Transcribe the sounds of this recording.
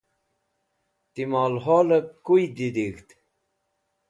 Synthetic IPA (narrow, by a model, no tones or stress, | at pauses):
t̪imaːlɦolək̚kujd̪id̪ixt̪